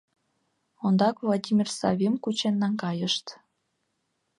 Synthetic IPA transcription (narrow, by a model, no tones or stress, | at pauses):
ond̪ɑkvlˠɑdʲimʲirsɑ̰βʲimkut͡ɕenːɑŋkɑjəʃt̪